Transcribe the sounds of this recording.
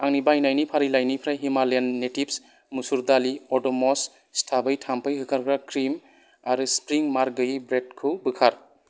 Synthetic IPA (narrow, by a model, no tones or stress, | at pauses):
aŋnibajnajnipʰaɾilajnipʰɾajɦimalenːetips | musuɾdaliɔdɔmɔs | stʰabɯjtʰampɯjɦɯkʰaɾɡɾakɾim | aɾɯspɾiŋmaɾɡɯjibɾed̚kʰubɯkʰaɾ